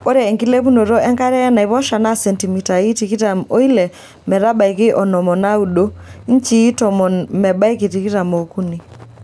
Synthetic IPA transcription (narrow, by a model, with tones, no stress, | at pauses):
o˦ɾɛ˨e˨ŋki˦le˦βu˦no˨ɾo˦ɛ˦ŋka˦ɾɛ˦ɛ˦na˨i˨βɔ˦ʃa˨na˦sɛ˨nti˨mi˨ta˨i˦ti˨ki˦ta˨mo˦i˦lɛ˨ | mɛ˨ɾa˦ba˨i˨kɪ˦ʔɔ˨nɔ˨mɔ˨na˦u˨ɗo˦n˦t͡ʃi˦tɔ˨mɔ˨mɛ˨ba˦i˦ki˨ti˨ki˦ta˨mo˨ku˦ni˨